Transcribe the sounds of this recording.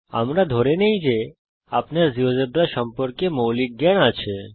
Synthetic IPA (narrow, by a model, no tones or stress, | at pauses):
a̰mɾad̪ʱoɾenəɦĩd͡ʒe | apnaziod͡ʒəbɾaʃəmpəɾkemowlik̚ɡaɽ̃at͡ʃʰe